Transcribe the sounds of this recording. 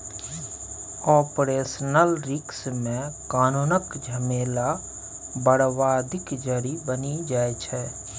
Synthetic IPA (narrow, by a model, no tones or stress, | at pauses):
ɔːpɾeːsənəlɾɪksmẽkaːnuːnəkd͡ʒʱəmeːla | bəɽwaːd̪ʱɪkd͡ʒəɾibənid͡ʒaːet͡ʃʰɛ